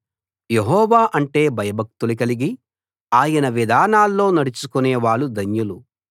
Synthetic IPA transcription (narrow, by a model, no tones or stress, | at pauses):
jeɦɔːʋaːʔɐɳʈe̞ːbʱɐjɐbʱɐk̚t̪uluk̬ɐliɡi | aːjɐnɐʋid̪ʱaːnaːlːo̞ːnɐɽut͡ʃukuneːʋaːɭːud̪ɐnjulu